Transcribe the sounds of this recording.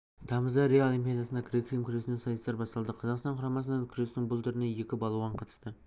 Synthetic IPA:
t̪ʰɑməzd̪ɑɾeaolˠimpʲijad̪ɑsənd̪ɑkʲʰɾekɾijmkʲʏɾe̞sɪnesɑjst̪ɑɾbɑst̪ɑlˠd̪əqʰɑzɑqst̪ɑɴqʰɑɾɑmɑs̬ənɑkʲʰʏɾe̞snɪŋbʊlˠt̪ʰʏɾɪneje̞kʲɪbɑlˠuwɑɴqʰɑt̪ə̥st̪ə

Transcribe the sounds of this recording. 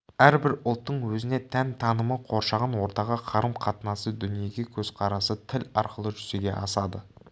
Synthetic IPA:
æɾbɪɾʊlˠt̪ːəɴwɵzɪne̞t̪ʰænt̪ʰɑnəməqʰo̞ɾʃɑʁɑnwo̞ɾt̪ɑʁəqʰɑɾəmqʰɑt̪ənɑsəd̪ʏnije̞ɡʲe̞kʲʰɵzqʰɑɾɑsət̪ʰɪlɑɾqəlˠəʒʏze̞ɡʲe̞̰ʔɑsɑd̪ə

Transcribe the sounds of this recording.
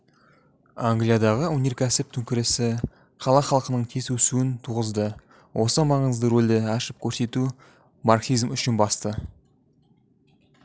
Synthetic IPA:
aŋɡlijad̪ɑʁəunʲeɾkʲʰæsɪp̚t̪ʰʏŋkʲɪɾɪsɪ | qʰɑlˠɑχɑlˠqənəɴt̪ʲʰe̞sɵsuɪnt̪ʰuʁəzd̪ə | wʔo̞səmɑʁəəzd̪əɾold̪ɪɑʃɪp̚kʲʰɵɾse̞t̪u | marksizmʏʃɪnbɑst̪ə

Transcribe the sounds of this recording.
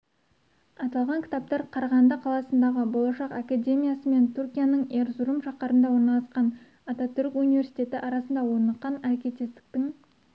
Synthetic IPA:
ɑt̪ɑlˠʁɑŋkʲʰɪ̥t̪ap̚t̪ɑɾqʰɑɾɑʁɑnd̪ɑqʰɑlˠɑsənd̪ɑʁəbo̞lˠɑʃɑqakad̪ʲe̞mʲijasəme̞nt̪ʰuɾkʲijanəɴe̞ɾzʊɾəmʃɑqɑɾənd̪ɑwo̞ɾnɑlˠɑsqɑn | ɑt̪at̪ʰʏɾkunijvʲe̞rsit̪e̞t̪ɪʔɑɾɑsənd̪ɑwo̞ɾnɑqːɑnæɾkʲe̞t̪ʲest̪ɪ̥k̚t̪ɪŋ

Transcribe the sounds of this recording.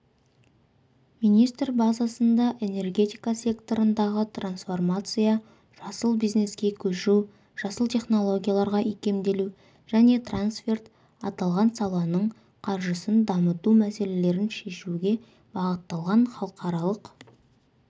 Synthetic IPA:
mijnijst̪rbɑzɑsənd̪ɑʔe̞ne̞rɡʲe̞t̪ijkasʲe̞kt̪o̞ɾənd̪ɑʁət̪ransfo̞rmat̪sɨja | ʒ̥ɑsəlˠbijzne̞skʲe̞kʲʰɵʃu | ʒ̥ɑsəlˠt̪ʰe̞χno̞lˠo̞ɡʲijalˠɑɾʁɑʔikʲe̞md̪e̞lu | ʒ̥æne̞t̪ransfʲe̞rt̪ | ɑt̪ɑlˠʁɑnsɑlˠɑnəɴ | qʰɑɾʒəsənd̪ɑmət̪umæse̞le̞le̞ɾɪnʃe̞ʃuɡʲe̞ | bɑʁət̪ːɑlˠʁɑɴχɑlˠəqɑɾɑlˠəq

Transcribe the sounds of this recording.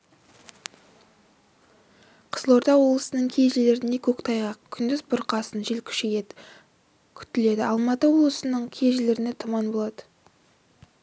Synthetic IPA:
qʰə̥z̥əlˠo̞ɾt̪ɑwo̞blˠəsənəɴkʲʰe̞jʒɪleɾɪne̞kʲʰɵkt̪ʰɑjʁɑkʲʰʏnd̪ɪzbʊɾqɑsənʒelkʲʰʏ̥ʃe | kʲʰʏ̥t̪ɪle̞d̪ɪɑlˠmɑt̪əwo̞blˠəsənəɴkʲʰe̞ʒɪleɾɪne̞t̪ʰʊmɑnbo̞lˠɑd̪ə̥

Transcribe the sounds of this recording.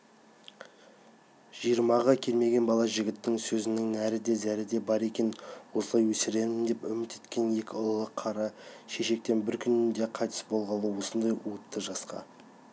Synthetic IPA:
ʒ̥ijəɾmɑʁɑkʲʰe̞lme̞ɡʲe̞nbɑlˠɑʒɪɡʲɪt̪ːɪŋsɵzɪnɪŋnæɾɪd̪e̞zæɾɪd̪e̞bɑɾe̞kʲe̞nwosəlˠɑjwɵsɪɾe̞nmɪnd̪e̞pʏ̰mɪt̪e̞t̪kʲe̞nje̞kʲɪʊlˠlˠəqʰːɑɾɑʃeʃe̞k̚t̪e̞nbɪɾkʲʰʏnnd̪e̞qʰɑjt̪ɪ̥sbo̞lˠʁɑlˠəwo̞sənd̪ɑjuət̪ːəʒɑsqɑ̰

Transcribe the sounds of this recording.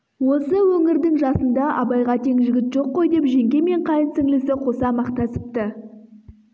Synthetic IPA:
wo̞səwɵŋɪɾd̪ɪŋʒɑsənd̪ɑʔɑbɑjʁɑt̪ʰe̞ŋʒɪɡʲɪt̪ʒo̞qːo̞jd̪e̞pʒe̞ŋɡʲe̞me̞ɴqʰɑjənsɪŋlɪsɪqʰo̞sɑmɑqt̪ɑsə̥p̚t̪ə

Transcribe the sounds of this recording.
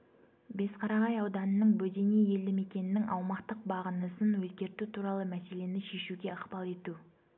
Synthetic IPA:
be̞sqʰɑɾɑʁɑjɑwd̪ɑnənəɴbɵd̪e̞nije̞ld̪ɪme̞kʲe̞nɪnːɪŋʔɑ̰wmɑqt̪əq̚bɑʁənəsənwɵzɡʲe̞ɾt̪ut̪ʰuɾɑlˠəmæse̞le̞nɪʃe̞ʃuɡʲe̞əqpɑlˠe̞t̪u

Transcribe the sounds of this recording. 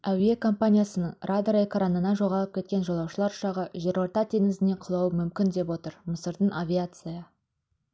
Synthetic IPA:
æwiekʰo̞mpanʲijasənəɴrʔad̪ɾekɾanənɑʒo̞ʁɑlˠəp̚kʲʰe̞t̪̚kʲenʒolˠɑwʃəlˠɑɾʊ̥ʃɑʁəʒe̞ɾoɾt̪ɑt̪ʰe̞ŋɪzɪne̞qʰəlˠɑwəmʏmkʲɪnd̪e̞pwo̞t̪əɾməsəɾd̪ənʔavʲiat̪sɨjɑ

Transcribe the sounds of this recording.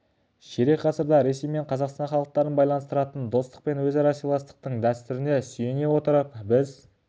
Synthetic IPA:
ʃeɾekʲqʰɑsəɾd̪ɑɾe̞se̞jme̞ɴqʰɑzɑqst̪ɑɴχɑlˠəq̚t̪ɑɾənbɑjlˠɑnəst̪əɾɑt̪ənd̪o̞st̪ə̥q̚pe̞nwɵzɑɾɑsilˠɑst̪ə̥q̚t̪əɴd̪æst̪ʏɾɪne̞sʏje̞ne̞wo̞t̪əɾəpbɪz

